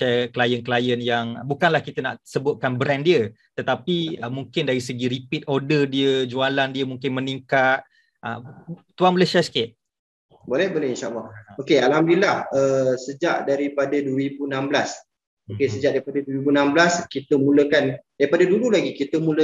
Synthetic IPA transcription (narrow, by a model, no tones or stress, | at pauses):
ʃɛklajənkəlajənjaŋbukanlahkit̪əna̰ʔsəbʊt̪̚kanbɾɛndiə | t̪ət̪apiəmuŋkɪndaɾisəɡiɾipit̪̚odədiəd͡ʒualandiəmũŋkɪnməniŋkat̪̚ | ʔə̰t̪uanməlasiasə̥kɪt̪̚ | bolɛhbolɛinʃaʔa̰lːɑhokealɦamdilahəsəd͡ʒaʔdaɾipadadwəɾibunamblas | okesəd͡ʒaʔdaɾipadadwəibunamblaskit̪əmũləkandaɾipadadululaɡikit̪əmũlə